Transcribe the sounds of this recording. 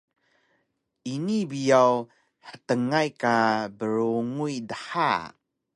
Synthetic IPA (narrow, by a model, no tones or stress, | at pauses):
ʔinibijaw | ħətəŋajkabəɾuŋujdəħa̰